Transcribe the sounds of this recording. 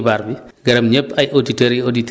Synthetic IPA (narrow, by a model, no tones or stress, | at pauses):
baɾbiɡɐɾɐmɲɛpːɐjʔoditeɾiodit